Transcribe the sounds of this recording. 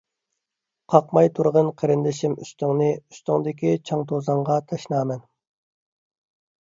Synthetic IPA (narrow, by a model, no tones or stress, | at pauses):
qʰɑqmɑjt̪ʰuɾʁənqʰeɾɪnd̪ɪʃimy̰st̪yŋnɨyst̪yŋd̪ɪk̬ʲit͡ʃʰɑŋt̪ʰozɑɴʁɑt̪ʰɑʃnɑːmɛn